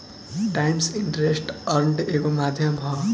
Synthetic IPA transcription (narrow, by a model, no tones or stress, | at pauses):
ʈajmsiɳʈʌɾesʈʌrɳʈekomad̪ʱjʌmɦʌ